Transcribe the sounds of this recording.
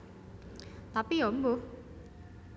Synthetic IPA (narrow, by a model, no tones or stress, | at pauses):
t̪apiombu